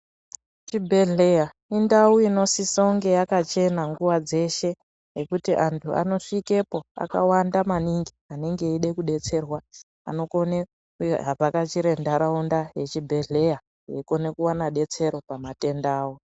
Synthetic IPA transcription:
t͡ʃibʱe̞ɮe̞ja | indauino̞sisouŋɡe̞jakat͡ʃe̞naŋɡuwad͡ze̞ʃe̞ | jekutiʔantʰuʔa̰no̞ʂike̞po̞a̰ka̰wandamaniŋɡiane̞ŋɡe̞iɗe̞kuɗe̞t͡se̞rwa | a̰no̞kone | ɦapakat͡ʃiɾe̞ndaɾaundaje̞t͡ʃibʱe̞ɮe̞ja | eko̞ne̞kuwanaɗe̞t͡se̞ɾo̞pamate̞ndaːwo

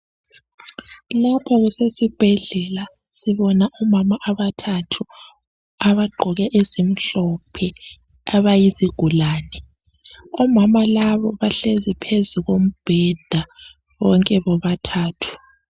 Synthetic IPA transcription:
lapʰɔɣusesib̥ʱɛɮɛla | siβɔnaʔumamaʔaβatʰatʰu | aβaɡ͡ǃʱɔɣɛʔezim̩ɬɔpʰɛ | aβajisiɡ̥ʱulaːnɛ | ɔmamalaβɔβaɬezipʰezuɣom̩b̥ʱɛd̥ʱa | βɔŋkʼɛβɔβatʰaːtʰu̥

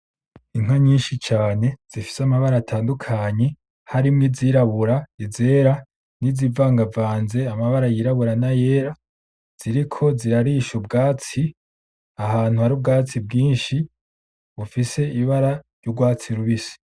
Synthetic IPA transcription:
iŋ̥waɲiːnʃit͡ʃaːne̞z̥ifi̥samaβaɾaːtʰaːndukʰaɲe̞ | haɾimŋiziɾaβuɾaize̞ɾa | nizivaːŋɡavaːnze̞amaβaɾajiɾaβuɾanaje̞ɾa | z̥iɾikʰo̞ziɾaɾiʃubɡaːt͡si | aɦaːn̥uhaɾib̚ɡaːt͡sibɡiːnʃi | βufise̞iβaɾaɾjoɡwaːt͡siɾuβisi̥

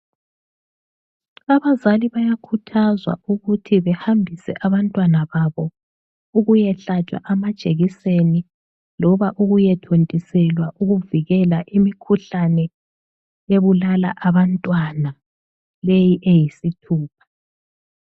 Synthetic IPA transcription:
aβazaliβajakʰutʰazwa̰ʔuɣutʰiβɛhambʱisɛ̰ʔaβantʼwanaβaβɔ | uɣujɛɬatʰʼa̰ʔamad̥ʒ̥ʱeɣiseni | lɔβaʔuɣujɛtʰontʼisɛlwaʔuɣuviɣɛlaʔimikʰuɬanɛ | jeβulala̰ʔaβantʼwana | lejiʔejisitʰuːp̚ʰḁ

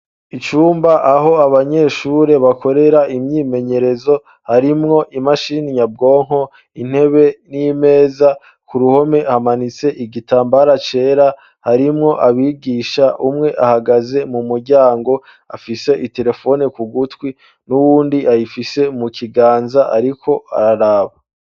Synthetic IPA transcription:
it͡ʃuːmbaʔaɦo̞aβaɲe̞ʃuɾe̞βakʰo̞ɾe̞ɾaʔimɲiːme̞ɲe̞ɾe̞zo̞ | haɾimŋo̞ʔimaʃiniɲab̚ɡo̞ːŋ̥ho̞ | in̥he̞βe̞nime̞ːza | kuɾuho̞me̞hamanit͡se̞ʔiɡitaːmbaɾat͡ʃe̞ːɾa | haɾimŋo̞ʔaβiːɡiːʃaʔumŋe̞ʔahaɡaze̞mumuɾɟaːŋɡo̞ | a̰fise̞ʔite̞ɾe̞fo̞nikuɡutwi | nuwuːndiʔajifise̞mukiɡaːnzaʔaɾikʰo̞a̰ɾaɾaːβa

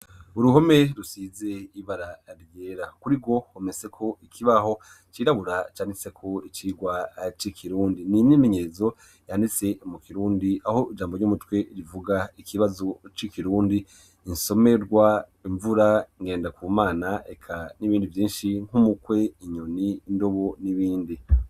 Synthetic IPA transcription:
uɾuho̞me̞ɾusizeiβaɾaɾjeɾakuɾiɡo̞homese̞kʰo̞ikʰiβaɦo̞ | t͡ʃiːɾaβuɾat͡ʃaːndise̞kʰo̞it͡ʃiːɡwat͡ʃikʰiɾuːndininime̞ɲezo̞ | jandit͡se̞mukiɾuːndiaho̞id͡ʒaːmboɟumutwe̞ɾivuɡaikʰiβazo̞t͡ʃikiɾuːndi | inso̞me̞ɾɡwa | iɱvuɾaŋɡeːndakuːmaːnaekʰaniβiːndivjiːnʃiŋ̥umukwe̞iɲoniːndo̞βoniβiːndi

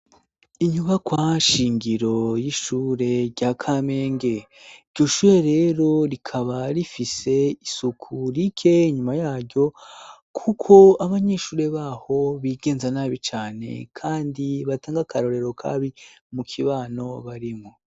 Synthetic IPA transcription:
iɲuβakwaʃiːŋɡiɾo̞jiʃuːɾe̞ɾɟakʰame̞ːŋɡe̞iɾɟo̞ʃuːɾe̞ɾe̞ːɾo̞ɾikʰaβaɾifise̞isukʰuɾikʰe̞iɲumajaːɾɟo̞ | kʰukʰo̞aβaɲeʃuːɾe̞βaːho̞βiːɡe̞ːnzanaːβit͡ʃaːne̞̰kʰaːndiβataːŋɡakaɾo̞ɾe̞ɾo̞kʰa̰βimukʰiβaːno̞βaɾimo

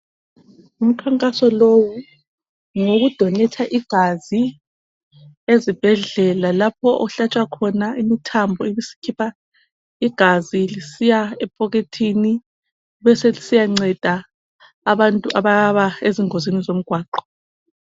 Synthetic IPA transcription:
um̩kʰaŋkʼasɔlowu | ŋoɣud̥ʱɔnɛtʰaʔiɡ̥ʱazi | ezib̥ʱɛɮɛlalap̚ʰɔʔɔɬat͡ʃʼwakʰɔnaʔimitʰambʱɔiβisi̥kʰipʰa | iɡ̥ʱazilisijaɛpʰʼɔɣetʰini | βɛselisijaŋ͡ǀɛd̥ʱaː | βantʼuʔaβaβaeziŋozinizom̩ɡ̥ʱwaːǃɔ̥

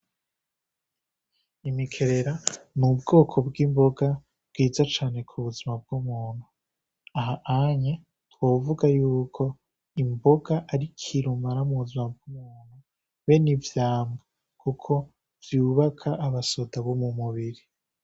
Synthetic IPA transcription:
imikʰe̞ɾe̞ɾanubɡo̞ːkʰo̞bɡimbo̞ɡa | bɡ̥iːzat͡ʃaːne̞kʰuβuzimab̚ɡ̥umuːn̥hu | aɦaʔaɲa | twoːvuɡajuːkʰo̞ | imbo̞ɡaʔaɾikʰiɾumaɾamuβuzimab̚ɡumuːn̥u | we̞nivjaːmɡa | kʰukʰo̞ | vjuːβakʰaʔːβaso̞daβomumuβiɾi

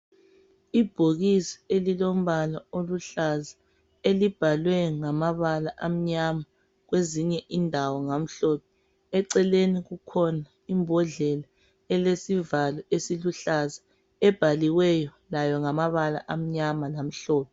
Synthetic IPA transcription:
ib̥ʱoɣisi̥elilom̩βalaoluɬaza | elib̥ʱalwɛŋamaβalaʔam̩ɲama | ɣweziɲɛʔindʱawɔŋam̩ɬɔːpʰɛ | ɛǀɛleniɣukʰɔna | imbʱɔɮɛla | ɛlesivalɔesiluɬaza | ɛb̥ʱaliwɛjɔlajɔŋamaβala̰ʔam̩ɲamalam̩ɬɔːpʰɛ

